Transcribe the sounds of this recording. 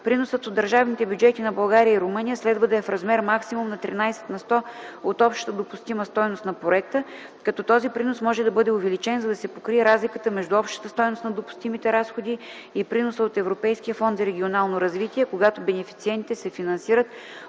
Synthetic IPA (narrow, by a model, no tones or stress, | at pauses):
pɾinosət̪od̪əɾʒavnit̪ɛbjud͡ʒɛt̪inɐbɐlˠɡaɾijəiɾʊmɤnijəslɛd̪vəd̪ɐɛfɾɐzmɛɾmaksimumnɐt̪ɾinajsɛ̥t̪nɐst̪ɔot̪ɔpʃt̪ət̪əd̪opust̪iməst̪ɔjnost̪nɐpɾoɛk̚t̪ə | kɐt̪ɔt̪ɔzipɾinosmɔʒɛd̪ɐbɤd̪ɛʊvɛlit͡ʃɛnzɐd̪ɐsɛpokɾiɛɾazlikət̪əmɛʒd̪uɔpʃt̪ə̥t̪əst̪ɔjnost̪nɐd̪opʊ̥st̪imit̪ɛɾasxod̪i | ipɾinosəot̪ɛvɾopɛjskʲijəfɔnd̪zɐɾɛɡʲionalˠnoɾɐzvit̪iɛkoɡat̪obɛnɛfi̥t̪siɛnt̪it̪ɛsɛfinɐnsiɾət̪